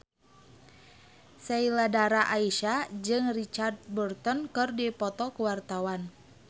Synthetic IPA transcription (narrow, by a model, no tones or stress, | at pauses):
sɛiladaɾaʔaiʃad͡ʒɨŋrit͡ʃart̪̚bɔrt̪ɔnkɨrdipɔt̪ɔkuwart̪awan